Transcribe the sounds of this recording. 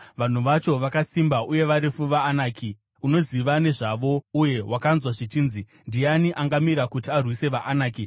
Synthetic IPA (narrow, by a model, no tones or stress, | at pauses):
ʋan̤uʋat͡ʃo̞ʋakasimbauje̞ʋaɾifuʋaːnaːkʰi | uno̞ziʋane̞ʐaʋo̞uje̞wakanzwaʐit͡ʃiːnzi | ndijaniʔaŋɡamiɾakutiarwise̞ʋaʔːnaːki